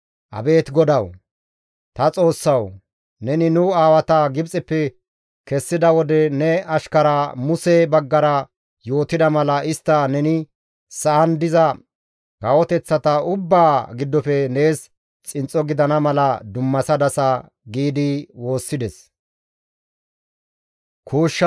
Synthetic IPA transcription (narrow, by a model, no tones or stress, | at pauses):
ʔɐ̰be̞ːt̪ɡɔd̪ɐw | t̪ɐt͡sʼo̞ːsːɐw | nɛnɪnʊaːwɐt̪ɐɡɪbt͡sʼɛpːɛ | kɛsːɪd̪ɐwɔd̪ɛnɛɐʃkɐɾɐmʊsɛbɐɡːɐɾɐ | jo̞ːt̪ɪd̪ɐmɐlɐʔɪst̪ːɐnɛnɪ | sɐʔɐnd̪ɪzɐ | ɡɐwɔt̪ɛt͡sːɐt̪ɐʊbːaːɡɪd̪ːɔfɛne̞ːs | t͡sʼɪnt͡sʼːɔɡɪd̪ɐnɐmɐlɐd̪ʊmːɐsɐd̪ɐsɐ | ɡiːd̪ɪwo̞ːsːɪd̪ɛs | kʰuːʃːɐ